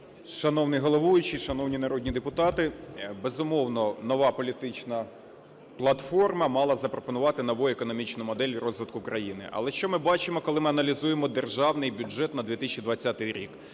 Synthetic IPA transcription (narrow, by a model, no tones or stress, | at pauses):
ʃɐnɔwnɪjɦɔlˠɔʋujʊt͡ʃɪʃɐnɔwnʲinɐɾɔdʲnʲid̪epʊt̪ɑt̪ɪbezʊmɔwnɔnɔʋɑpɔlʲit̪ɪt͡ʃnɐ | plˠɐt̪fɔrmɐmɑlˠɐzɐpɾɔpɔnʊʋɑt̪ɪnɔʋɔjʊekɔnɔmʲit͡ʃnʊmɔd̪ɛlʲrɔzʋɪt̪̚kʊkɾɐjinɪ̰ʔɐ̰lˠɛʃt͡ʃɔmɪbɑt͡ʃɪmɔkɔlˠɪmɪɐnɐlʲizujemɔd̪erʒɑwnɪjbʲʊd͡ʒɛt̪nɐd̪ʲʋʲit̪ɪsʲt͡ʃʲid̪ʋɐt͡sʲːat̪ɪjɾʲḭk